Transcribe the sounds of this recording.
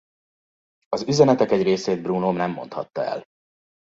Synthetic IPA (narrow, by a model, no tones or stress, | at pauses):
ɒzyzɛnɛt̪ɛkɛɟreːseːd̪̚brunomnɛmːo̞̰nt̪hɒ̰t̪ːɒɛ̰l